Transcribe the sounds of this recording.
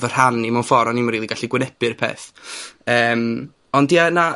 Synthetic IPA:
vər̥hanimanfɔɾɔnimɾiːlˠiɡaɬiɡwɪnɛpɨrpʰḛːθəːm | ɔndiana

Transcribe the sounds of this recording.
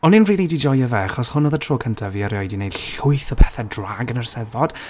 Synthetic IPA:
ɔnɪnriːlˠidid͡ʒɔjəvɛaχɔshʊnɔðətʰroːkʰəntʰaviːəɾjɔjdinejd̥ɬʊɨθɔpʰɛθɛdraɡənərsɛðvɔd̥

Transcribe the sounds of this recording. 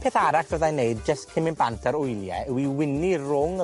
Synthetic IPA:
pʰeːθaɾakv̥əðajneɨd̚d͡ʒəstkʰɪmɪnbantʰaɾʊjlˠjɛ̰ɪwiwɪnirʊŋ

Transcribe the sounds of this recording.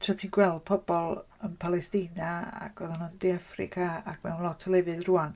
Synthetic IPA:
tʰratʰinɡwɛlˠd̚pʰɔbɔlˠ | ənpʰalˠɛstinaa̰kʰɔðanʊndiafrɪ̰kʰaakmɛwnlˠɔtʰɔlˠɛvɨðruːan

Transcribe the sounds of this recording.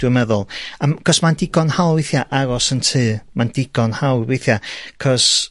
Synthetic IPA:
d̥wəmɛðʊlˠakʰɔsmandɪɡɔnhawwejθjaʔaɾɔsəntʰɨːmandɪɡɔnhawwejθjakʰɔs

